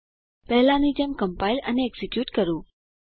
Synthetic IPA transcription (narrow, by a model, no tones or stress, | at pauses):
pɛɦlãnid͡ʒemkəmpailə̰neːɡsikjuːʈkəɾũː